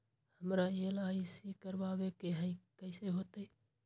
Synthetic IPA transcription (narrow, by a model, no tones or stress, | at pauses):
həmɾajelaisikəɾbabekeɦə̃ikəɪseɦot̪ə